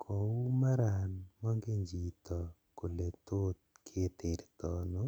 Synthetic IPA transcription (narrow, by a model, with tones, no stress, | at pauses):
kʰɔ˨u˦ma˦ɾa˨nmɔ˦ŋɡe˦ɲd͡ʒi˨t̪ɔ˨ | ko˨le˨t̪o˦t̪̚kʰe˦t̪e˨ɾt̪ɔ˦no˦